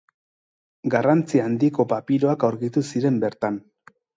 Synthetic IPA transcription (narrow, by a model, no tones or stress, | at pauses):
ɡarant͡siaːnd̪iko̞papiɾo̞akawɾɣit̪usiɾe̞mbe̞ɾt̪an